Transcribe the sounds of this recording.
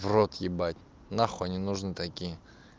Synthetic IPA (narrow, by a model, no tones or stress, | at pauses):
vrot̪jɪbatʲ | naxonʲɪnʊʐnɨt̪akʲijə